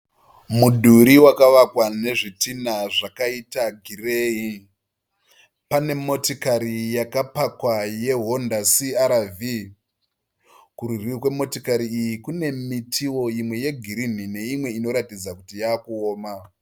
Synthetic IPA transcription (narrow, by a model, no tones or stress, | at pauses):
mudʱuɾiwakaʋakwane̞ʐitinaʐakaitaɡʱireːi | pane̞mo̞tikaɾijakapakwaje̞ɦo̞ndasiaɾavi | kuɾurikwe̞mo̞tikaɾiijikune̞mitʰiwo̞imwe̞je̞ɡʱiɾin̤ine̞imwe̞ino̞ɾatid͡zakutijaːkuoːma